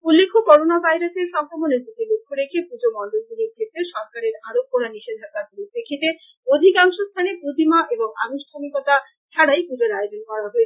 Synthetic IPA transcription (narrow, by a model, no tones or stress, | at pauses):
ulːekʰːokɔɾonabʱajɾaseɾʃɔŋkʰɾoboned͡ʑok̪elokʰːoɾekʰepud͡ʑomɔnɖold̪uɾiɾkʰet̪eʃɔɾkaɾeɾaɾokːoɾaniʃed̪ʱakːakuɾepekʰit̪e | od̪ʱikaŋʃost̪ʰanepɾud̪ʱimaʔeboŋa̰nuʃʈʰamikot̪a | t͡ʃʰaɽajpud͡ʑoɾaed͡ʑonkɔɾaɦoet͡ɕʰ